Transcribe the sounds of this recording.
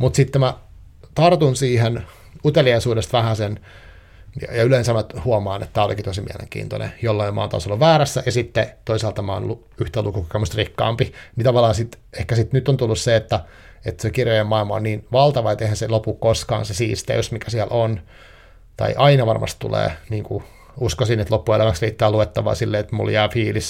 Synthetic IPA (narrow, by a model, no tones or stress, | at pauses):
mut̪sit̪ːemæ | t̪ɑrt̪unsiːhen | ut̪eliɑisuːdest̪ʋæhæsen | jɑ̰jɑyleinsæmːæt̪huɑmɑːnḛt̪t̪ːæːolikit̪osimḭælḛŋkḭːnt̪o̰nḛjolːɑimɑ̰ːnt̪ɑ̰ˑsolːuʋʋæːɾæsːæjɑsit̪ːet̪oisɑːlt̪ːɑmɑ̰ːno̰lːu | yht̪elukuku̥kemusrikːɑ̰ːmpimit̪ɑʋɑlːˑɑːnsit̪ehkæsit̪nyt̪ːont̪ulːusseet̪ːæ | et̪sekirjojemɑilmɑonniːnʋɑlt̪ɑʋɑet̪ːeihænselopukkoskɑ̰ːnsesiːst̪ḛysmikæsiælʔon | t̪ɑ̰iʔɑinɑʋɑrmɑ̰st̪t̪ṵlḛːniːŋku | uskosinet̪lopːuelæʋæksriːt̪ːæːluet̪ːɑʋɑ̰ːsilːeːet̪mṵljæːfiːlis